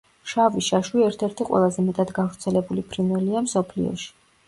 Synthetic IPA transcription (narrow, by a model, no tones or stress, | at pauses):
ʃaviʃaʃwiɛɾt̪ʰɛɾt̪ʰiqʼwɛ̰lˠazɛmɛt̪ʼad̪ɡavɾt̪sʰɛlɛbulipʰɾinvɛliamsɔpʰlḭɔ̰ʃi̥